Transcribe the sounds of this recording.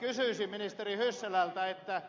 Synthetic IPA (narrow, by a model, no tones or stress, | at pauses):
kysyˑsiminist̪erihysːelælt̪æet̪ːæ